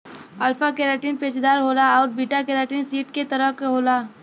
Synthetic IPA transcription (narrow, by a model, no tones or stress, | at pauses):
ɐlfakeːɾaːʈiːnpeːt͡ʃd̪aːɾɦoːlaɔːɾbiːʈakeːɾaːʈiːnsiːʈket̪əɾəkɦoːlaː